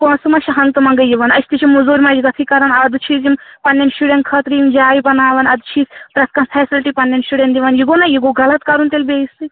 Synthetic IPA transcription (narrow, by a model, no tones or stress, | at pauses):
kõːsumɐʃʰɐɦɐŋɡ̚t̪ɨmɐŋɡɐjiʋɐnɐt͡ʃʰʲt̪it͡ʃʰimuzuːɾʲmaːd͡ʒiɡɐt̪ʰikɐɾɐnɐd̪t͡ʃʰiːzimpɐnʲːɐnʃuɖʲɐnkʰɐt̪ɾimd͡ʒaːjibɐnaːʋɐnɐd̪t͡ʃʰiːsʈɾɐskɐnpʰɛːsilʈipɐnʲːɐnʃuɖʲɐnd̪ʲiʋɐnjiɡonɐjiɡoɡɐlɐt̪kɐɾunt̪elʲbeːist̪ɨ